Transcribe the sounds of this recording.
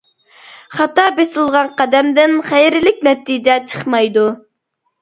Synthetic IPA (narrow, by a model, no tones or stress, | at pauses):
χɑt̪ɑbesɨlˠʁɑnqɑd̪ɛmd̪ɪnχæjɾɪlɪk̚ʲnɛt̪ːid͡ʒɛt͡ʃʰə̥χmɑjd̪u